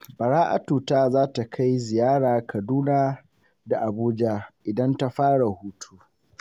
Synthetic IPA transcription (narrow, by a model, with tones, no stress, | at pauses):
bɐ˨ɽaː˦ʔa̰˨tuː˨taː˦zaː˦ta˨kʰa˦jzɪ˨jaː˦ɽaː˨kʰɐ˨duː˦naː˦ | da˨ʔa˨buː˦d͡ʒa˦ʔɪ˨dɐ˦nta˦ɸaː˦ɽa˨huː˦tʰu˦